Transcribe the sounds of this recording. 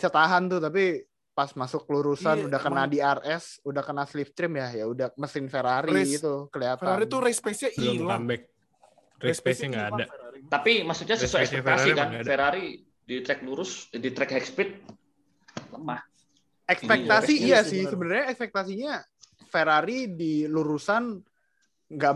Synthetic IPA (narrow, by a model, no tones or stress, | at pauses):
sət̪aɦant̪ʊt̪ap̬i | pasmasʊkːəluɾusanudahkənadiarɛsudahkənaslift̪ɾɪmjajaudaməsɪnfeɾaɾiit̪ukəliat̪aɾaɾit̪uɾespesɲailambɛk̚ | respesɲaŋɡaːdat̪apimasuɲasəsuɛɛsɛfasikanfeɾaɾi | dit̪ɾɛk̚luɾʊsdit̪ɾɛkhɛkspɪt̪̚ | ləmah | ɛkspɛk̚t̪asijasɪhsəbənarɲaɛkspɛk̚t̪asiɲa | feɾaɾidiluɾusan | ŋɡa